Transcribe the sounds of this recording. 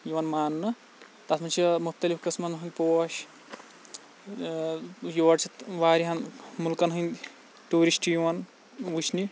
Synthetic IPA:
juwɐnmaːnːɨ | t̪ɐt̪mɐnt͡ʃʰimuxt̪ɐlifkɐsmɐnɦunʲpoːʃ | joːɐʈt͡ʃʰiʋaːɾiɦɐnmulkɐnɦɨnd̪ | tuːɾisʈjuʋɐn | ʋut͡ʃʰni

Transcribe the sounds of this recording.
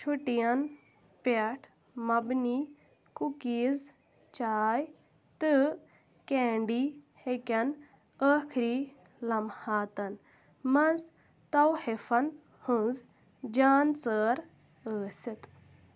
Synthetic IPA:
t͡ʃʰuʈijɐn | peʈʰ | mɐbniː | kukiːz | t͡ʃaːj | t̪ɨ | keːɳɖiːhekʲɐn | əːkʰɾiː | lɐmhaːt̪ɐn | mɐz | t̪ɐwhefɐn | hɨ̃z | d͡ʒaːnt͡səːɾ | əːsit̪

